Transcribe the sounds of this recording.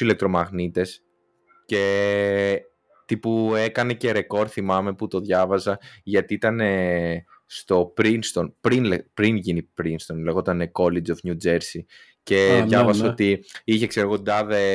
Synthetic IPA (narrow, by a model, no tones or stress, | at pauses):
ile̞k̚t̪ɾo̞mɐɣnit̪e̞s | ce̞ | t̪ipue̞kɐne̞ce̞ɾe̞ko̞ɾθimɐme̞put̪o̞ðʝɐvɐzɐʝɐt̪iit̪ɐne̞ | st̪o̞pɾinst̪o̞npɾinlepɾinʝinipɾinst̪o̞nle̞ɣo̞t̪ɐneko̞lid͡ʒo̞fnjud͡ʒe̞ɾsi | ce̞ðʝɐvɐsot̪iiçe̞kseɾoɣod̪ɐðe